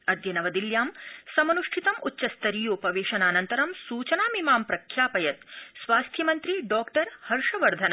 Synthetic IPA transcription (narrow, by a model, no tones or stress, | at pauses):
ɐd̪jɐnɐʋɐd̪iljaːmsɐmɐnuʂʈʰit̪ɐmutːʃɐst̪ɐɾiːjoːpɐʋeːʃɐnaːnɐnt̪ɐɾɐmsuːt͡ʃɐnaːmimaːmpɾɐkʰjaːpɐjɐt̪sʋaːst̪ʰjɐmɐnt̪ɾiɖɔːkʈɐɾhɐɾʂɐʋɐɾd̪ʱɐnɐ